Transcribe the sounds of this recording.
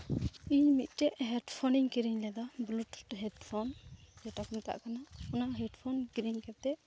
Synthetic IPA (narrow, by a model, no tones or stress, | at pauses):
iɲmit̪̚ˀʈɛʔɦɛɖpʰɔniŋkiɾiɲlɛd̪abluʈɦɛdpʰɔnd͡ʒɛʈakɔmɛt̪a̰ʔkanaɔnaʔɦɛɖpʰɔnkɾiɲkɛt̪ɛ